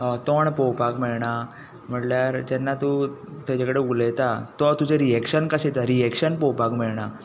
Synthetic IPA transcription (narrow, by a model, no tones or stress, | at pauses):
ɔt̪ɔɳpɔwpakmɛɭɳa | m̤əʈljaɾd͡ʑɛnːat̪ut̪ad͡ʑakəɽeulet̪at̪ɔt̪ud͡ʑeɾijɛkɕənkəɕet̪aɾijɛkɕənpɔwpakmɛɭɳa